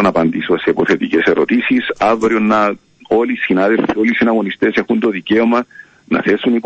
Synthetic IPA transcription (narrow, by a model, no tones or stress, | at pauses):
nɐpɐnd̪isosepoθe̞t̪icese̞ɾo̞̰t̪isisɐvɾionːɐ | o̞lisinaðelfio̞lisinɐɣo̞nist̪e̞se̞xunt̪o̞ðice̞omɐ | nɐ̰θe̞sːunip